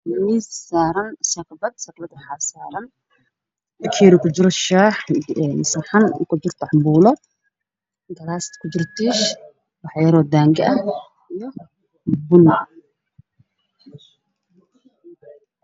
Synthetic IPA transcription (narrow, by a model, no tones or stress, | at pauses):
missaːɾɐnsɐqbɐd̪̚sɐqbɐd̪ħaːsaːɾɐn | kʰɛːɾukʰʊd͡ʒɪɾɔʃaːħɛnsɐrħan̰kʰʊd͡ʒɪrt̪ʰaʕmbuːlɔ | ɡɐlaːst̪kʰʊd͡ʒɪrt̪iːʃ | wɑħjɐɾɔd̪aːŋɡɐɐ | ijɔ | bʊn